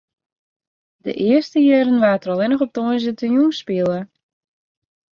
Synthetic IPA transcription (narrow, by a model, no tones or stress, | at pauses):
də̰ʔɪərstəjɛɾənʋaːtərɔlˠɪnəxɔp̚toənzətəjunspiəlˠə